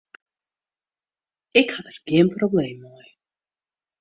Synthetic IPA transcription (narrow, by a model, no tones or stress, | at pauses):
ɛkʰat̪ʰɾɡɛmpʼɾɔblɛmɔɛ